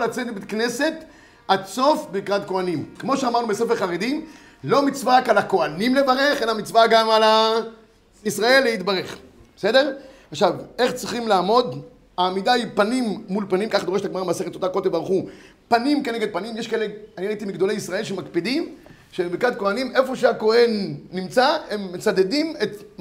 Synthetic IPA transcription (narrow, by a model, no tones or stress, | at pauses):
lat͡set̪bekne̞se̞t̪ | aso̞fbikʁad̪ko̞animkmo̞ʃeamaʁnubesefeχaʁedi | lo̞mit͡svaʁakalako̞animlevaʁe̞χe̞lamit͡svaɡamala | isʁae̞lːeit̪baʁe̞χ | bese̞de̞ʁaχʃave̞χt͡sʁiχimlaːmo̞d̪ | aːmidaipanimːulpanimkaχdoeetaɡmaʁameaseχet̪ːot̪akolt̪ebaʁχu | panimkeneɡed̪̚panimjeʃkaeleaniʁait̪imiɡd̪o̞leisʁae̞lʃemakpidim | ʃebekad̪̚ko̞anime̞fo̞ʃeako̞he̞nːimt͡sae̞mːet͡sad̪edimet̪